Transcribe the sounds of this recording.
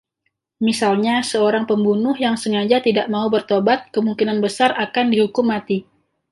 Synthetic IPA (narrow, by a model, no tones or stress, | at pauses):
misalɲasəoɾaŋpəmbunʊhjaŋsəŋad͡ʒat̪idaʔmaubərt̪obat̪̚kəmuŋkinanbəsarʔakandihukʊmːat̪i